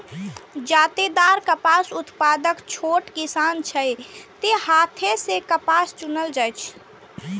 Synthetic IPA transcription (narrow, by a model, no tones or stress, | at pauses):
d͡ʒaːt̪ed̪aːɾkəpaːsʊt̪paːd̪əkt͡ʃʰoːʈkisaːnt͡ʃʰəjt̪ehaːt̪ʰesekəpaːst͡ʃʊnəld͡ʒəjt͡ʃʰ